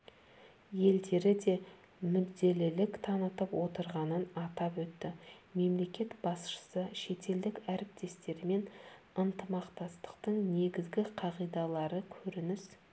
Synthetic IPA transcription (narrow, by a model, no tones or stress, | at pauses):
je̞ld̪e̞ɾɪd̪e̞ | mʏdd̪e̞lɪlɪkt̪ʰɑnət̪əpwo̞t̪əɾʁɑnənɑt̪ɑpwɵt̪ːɪme̞mle̞kʲe̞t̪bɑsʃə̥səʃe̞t̪e̞ld̪ɪkʲæɾɪp̚t̪e̞st̪e̞ɾɪme̞n | ənt̪əmɑqt̪ɑst̪ə̥qt̪əɴne̞ɡʲɪzɡʲɪqʰɑʁijd̪ɑlˠɑɾəkʲʰɵɾɪnɪs